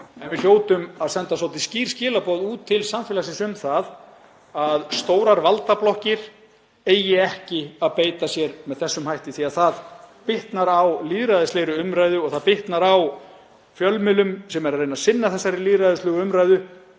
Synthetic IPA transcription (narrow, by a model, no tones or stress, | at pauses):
ɛnvɪl̥joːwt̪ʏmaðsɛnt̪asɔwt̪ɪsciːɾ̥scɪːlapɔðuːt̪ʰːɪlsamfɪːlasɪsʏmθað | aðst̪oːwɾaɾvalt̪aplɔhcɪɾ̥ | eːjɪɛhcɪaðpeːjt̪asjɛɾmɛðθɛsːʏmhajht̪ɪθiaðθaðpɪht̪naɾawliːðɾajðɪsleːjɾʏʏmɾajðʏɔɣθaðpɪht̪naɾaw | fjœlmɪlʏmsɛmɛɾaɾejnasɪnːaθɛsːaɾɪliːðɾajðɪslʏːɣʏʏmɾajðʏ